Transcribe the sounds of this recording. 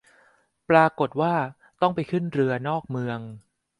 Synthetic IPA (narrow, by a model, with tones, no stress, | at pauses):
pɾaː˧ko˨˩t̪̚waː˥˩ | t̪ɔ˥˩ŋpa˧jkʰɯ˥˩nɾɯ˧ɐnɔː˥˩k̚mɯ˧əŋ